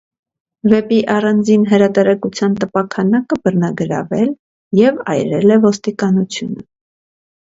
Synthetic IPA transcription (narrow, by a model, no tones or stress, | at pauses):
vɛpiʔɑrɑnd͡zinɦəɾɑt̪ɛɾɛkut͡sʰjɑnt̪əpɑkʰɑnɑkəbərnɑɡəɾɑ̰vɛl | jɛvɑ̰jɾɛlɛvɔst̪ikɑnut͡sʰjunə